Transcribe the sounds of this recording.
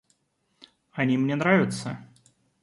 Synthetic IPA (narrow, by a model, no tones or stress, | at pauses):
anʲimnʲɛnɾavʲɪt̪sə̰